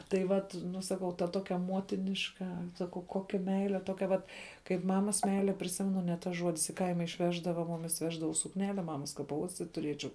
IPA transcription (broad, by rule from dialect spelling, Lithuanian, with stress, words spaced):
tɐɪ ˈʋɐt ˈnʊ sɐˈkɐʊ tɐ ˈtoːkʲɛ ˈmuɔtʲɪnʲɪʃkɐ sɐˈkɐʊ ˈkoːkʲɛ ˈmʲɛɪlʲɛ ˈtoːkʲɛ ʋɐt kɐɪp ˈmɑːmɐs ˈmʲɛɪlʲɛ pʲrʲɪˈsʲɪmʲɛnʊ nʲɛ ˈtɐs ˈʒuɔdʲɪs ɪ ˈkɐɪmɐ ɪʃʲˈʋʲæːʒdɐʋɐ ˈmʊmʲɪs ˈʋʲæːʒdɐʋɐʊs sʊkˈnʲæːlʲɛ ˈmɑːmɐs kɐ pɐˈuɔsʲtʲɪt tʊˈrʲiɛt͡ʃʲɛʊ